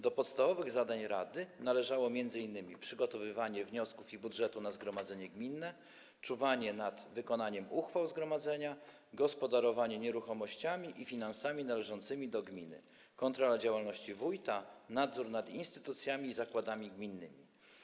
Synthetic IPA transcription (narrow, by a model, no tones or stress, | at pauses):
d̪ɔpɔt̪st̪avɔvɘɣzad̪aɲɾad̪ɘnalɛʐawɔmʲjɛnd̪zɘinːɘmʲipʂɘɡɔt̪ɔvɘvaɲɛvɲɔskufibudʐɛt̪unazɡɾɔmad̪zɛɲɛɡmʲinːɛ | t͡ʂuvaɲɛnad̪vɘkɔnaɲɛmuxfawzɡɾɔmad̪zɛɲa | ɡɔspɔd̪aɾɔvaɲɛɲɛɾuxɔmɔɕt͡ɕamʲiʔifʲinansamʲinalɛʐɔnt̪sɘmʲid̪ɔɡmʲinɘ̰ | kɔnt̪ɾɔlad͡ʑawalnɔɕt͡ɕivujt̪anad̪zuɾnad̪inst̪ɘ̥t̪ut̪sʲjamʲiːzakwad̪amʲiɡmʲinːɘ̰mʲḭ